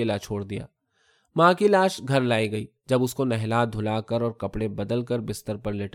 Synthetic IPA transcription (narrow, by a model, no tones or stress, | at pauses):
elat͡ʃʰoːɽd̪ija̰ː | mãːkilaːʃɡʱɐɾlaːiɡɐiː | d͡ʒɐbʊskonɛɦlaːd̪ʱʊlaːkəɾɔːɾkɐpɽẽbɐd̪əlkəɾbɪst̪əɾpəɾlɪʈ